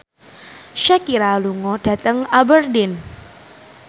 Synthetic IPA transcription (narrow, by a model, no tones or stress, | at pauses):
ʃɛkiɾaluŋɔɖ̥a̤t̪əŋabərdɪn